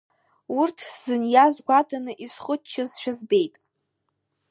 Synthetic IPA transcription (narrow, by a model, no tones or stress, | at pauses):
urtʰz̥ɨnjazɡʷatʰʼanɨʔisχʊtt͡ʃʰːazʃᶣazbe̞jtʼ